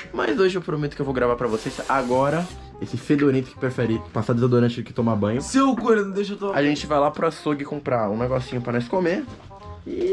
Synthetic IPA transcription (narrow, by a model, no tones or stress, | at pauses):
mɐ̰zoʒɪewpɾomet̪ʊ̥kewvowɡɾavaɾpɾɐvosesaɡɔɾɐ | esɪfed̪oɾĩt̪ʊ̥kɪ̥pɾefɛɾipasad̪ɪzad̪oɾɐ̃t͡ʃɪʊkɪ̥t̪õmabɐ̃ɲʊsewkoɾ̃d̪eʃ̬t̪oaʒẽnt͡ʃɪvajlapɾʊasoɡɪkõmpɾaũnɛɡɔsĩɲʊpɾɐnɐ̃skome